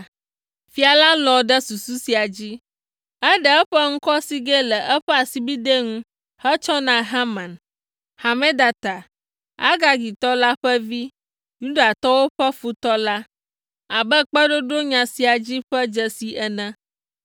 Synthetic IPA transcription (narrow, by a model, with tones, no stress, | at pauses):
fi˦a˨la˦lɔ̃˨ɖə˦su˨su˦si˨a˨d͡ʑi˦ | ɛ˦ɖə˨ɛ˦ɸə˦ŋũ˦kɔ˦si˦ɡɛ˦lə˨ʔɛ˦ɸɛ˦a˨si˦bi˦d̪e˦ŋũ˦ | hɛ˦t͡ʃɔ˦nã˨ɦa˦mã˨n | ha˨mẽ˦d̪a˨t̪a˨ | a̰˦ɡa˦ɡi˨t̪ɔ˦la˦ɸə˦vi˦ | ju˦ɖa˨t̪ɔ˦wo˦ɸɛ˦fu˦t̪ɔ˦la˦ | a˨bə˦k͡pɛ˦ɖo˦ɖo˦ɲã˨si˨˦a˨d͡ʑi˦ɸə˦d͡ʒə˦si˦ʔɛ˦nɛ̃˦